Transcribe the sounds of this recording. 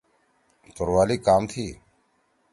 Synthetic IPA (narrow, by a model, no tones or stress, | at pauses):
t̪ʊɾʋaːliːkaːmt̪ʰiː